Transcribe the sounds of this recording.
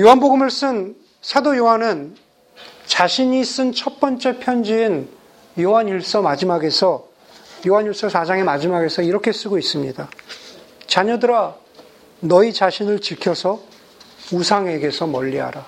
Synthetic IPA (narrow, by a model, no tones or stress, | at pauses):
joɦanboɡɯmɯɭs͈ɯn | sʰadojoɦanɯn | t͡ɕaɕʰiɲis͈ɯnt͡ɕʰʌt̚p͈ʌnt͡ɕ͈e̞pʰjʌnd͡ʑiːn | joɦaɲiɭs͈ʌmad͡ʑimaɡe̞sʰʌ | joɦaɲuɭs͈ʌsʰad͡ʑaŋe̞mad͡ʑimaɡe̞sʰʌiɾʌkʰes͈ɯɡois͈ɯmɲida | t͡ɕaɲʌdɯɾa | nʌit͡ɕaɕʰinɯɭt͡ɕikʰjʌsʰʌ | usʰaŋe̞ɡe̞sʰʌmʌʎːiɦa̰ɾa